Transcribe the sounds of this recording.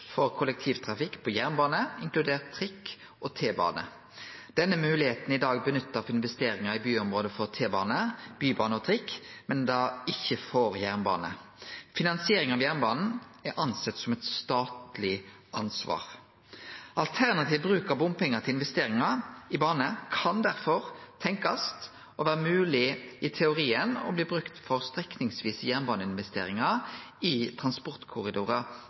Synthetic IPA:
fɔʁkʰʊlɛk̚t̪ʰiːʋt̪ʰʁɑfɪkːpʰɔjæʁnbɑːnəɪŋklʉd̪eːʁt̪ʰʁɪkː | ʔɔt̪ʰeːbɑ̰ːnə̰ | d̪̥ɛnːəmʉːlɪheːt̪n̩ɪd̪ɑːɡbənʏt̪ːəfɪnʋɛst̪eːɾɪŋɑɪbyːɔmʁoːd̪əfɔʁt̪ʰeːbɑːnəb̥yːbɑːnəɔt̪ʰʁɪkːmɛnd̪ɑːɪçːəfɔɾjæʁnbɑ̰ːnə̰ | fɪnɑnsɪeːɾɪŋɑʋjæʁnbɑːnn̩ɛɾʔɑnsɛt̪ːsɔmɛt̪st̪ɑːt̪lɪ | ʔɑnsʋɑ̰ːʁ | ɑlt̪ʰæʁnɑt̪ʰiːʋbɾʉːkɑbʊmpɛŋːət̪ʰɪlɪnʋɛst̪eːɾɪŋɑɪbɑːnəkʰɑnd̪æɾfɔɾt̪ʰɛŋkɑst̪ | ɔʋæːʁəmʉːlɪɪt̪ʰɛʊʁiːənɔ̰bliːbʁʉkt̪fɔʁst̪ʁɛknɪŋsʋiːsəjæʁnbɑːnəɪnʋɛst̪ḛːɾɪŋɑɪt̪ʰɾʁɑnspɔʁt̪kʰʊɾɪd̪uːɾə

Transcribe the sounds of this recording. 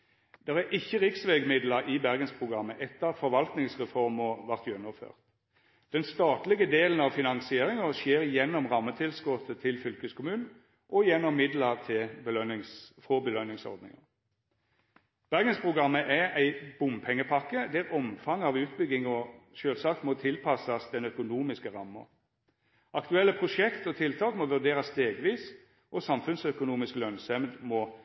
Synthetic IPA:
d̪̥ɛʁæʔɪçːəʁɪksʋeɡmɪd̪ləɾʔɪbæʁɡənspʰʁʊɡʁɑmːəʔɛt̪ːəfɔʋɑlt̪nɪŋsʁɛfɔʁmɔʋɑʁt̪jœnːɔfø̰ːʁt̪ | d̪̥ɛnst̪ɑːt̪lɪɡəd̪eːlənɑʋfɪnɑŋsɪeːɾɪŋəʃjeːʁjɛnːɔmʁɑmːət̪ʰɪlskɔt̪ət̪ʰɪlfʏlkəskʰʊmʉːnn̩ | ʔɔjɛnːɔmːɪd̪ləʁt̪ʰɪlb̪œnɪsfʁɔbəlœnɪŋsɔ̰ʁd̪nɪ̰ŋə̰ | b̥æʁɡənspʰʁʊɡɑmːəʔææɪb̥ʊmpʰɛŋːəpʰɑkːəd̪æʁɔmfɑŋɑʋʉːt̪̚bʏɡɪŋɔʃøːlsɑːk̚t̪mɔt̪ʰɪlpʰɑsɑsd̪ɛnœkʊnuːmɪskəʁɑmːə̰ʁ | ʔɑkt̪ʉɛlːəpʰʁʊʂɛkt̪ɔt̪ʰɪlt̪ʰɑːkmɔʋʉd̪eːʁɑst̪eːɡʋiːs | ʔɔsɑmfʉnsœkʊnuːmɪskəlœnsɛmd̪mɔ

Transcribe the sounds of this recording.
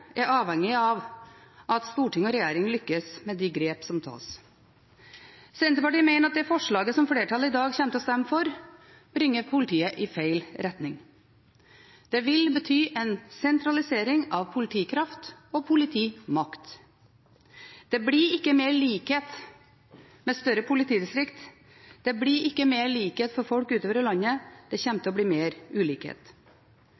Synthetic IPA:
æɾɑːʋhɛŋɪɑʋʔɑt̪st̪uːʈɪŋɔɾɛjæːɾɪŋlʏkːəsmɛd̪iɡɾeːpsɔmt̪ʰɑ̰ːs | sɛːnt̪əpɑʈiːəmæɪnəɾɑt̪̚d̪ɛfɔʂɭɑːɡəsɔmfleːʈʰɑləɪd̪ɑːɡçɛmt̪əɔst̪ɛmːəfɔɾ | b̥ɾɪŋːəpʰʊlɪt̪ʰiːəʔɪfeɪlɾɛt̪nɪŋ | d̪̥ɛʋɪlbət̪ʰyːʔɛnsɛnt̪ɾɑlɪseːɾɪŋɑʋpʰʊlɪt̪ʰiːkʰɾɑft̪ɔpʰʊlɪt̪ʰiːmɑkt̪ | d̪̥ɛbɽiɪkːəmeːɭiːkheːt̪ | mɛst̪œɾəpʰʊlɪt̪ʰiːd̪ɪst̪ɾɪkt̪ | d̪̥ɛbliːɾɪkːəmeːɾɭiːkheːt̪fɔɾfɔlkʉːt̪oːʋəɾəlɑɲːəd̪̥ɛçɛmt̪əɔbɽiːmeːɾʉːliːkhḛːt̪

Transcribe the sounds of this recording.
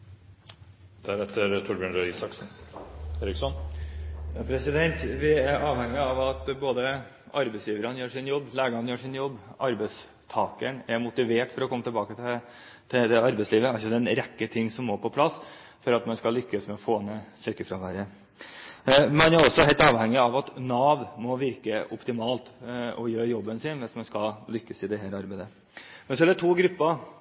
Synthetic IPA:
d̪̥æɾɛt̪ʰːəɾt̪ʰʊɾbjøɳɾœɪsɑksn̩eːɾɪksɔn | jɑpʰɾɛsɪd̪ɛnt̪ʋɪæɾɑːʋhɛŋɪɑʋɑt̪boːd̪ə | ʔɑɾbɛɪsjiːʋəɾɑnjøːʂɪnjɔbːlæːɡəɑnjøːʂɪnjɔbːɑɾbɛɪs | t̪ʰɑːkəɳæɾmʊt̪ɪʋeːʈfɔɾɔkʰɔmːət̪ɛlbɑːkət̪ɪ | t̪ʰɪd̪ɛɑɾbɛɪsliːʋəæɾɔd̪ɛnɾɛkːət̪ʰɪŋːsɔmːɔpʰɔpʰlɑsː | fɔɾɑt̪mɛnskɑlʏkːəsmɛɔfoːnɛsœkəfɾɑʋæɾə | mɛnæɾɔsːɔhæɛɪlt̪ɑːʋhɛŋːɪɑʋɑt̪nɑːʋmɔʋɪɾkəʔʊ̰pt̪ɪmɑːlt̪ɔjøːɾjɔbːənsɪnʋɛnsmɛnskɑllʏkːəsɪd̪ɛɦæːɾɑɾbæɪd̪ə | mɛnsɔæɖɛt̪ʰuːɡɾʉpːɑ

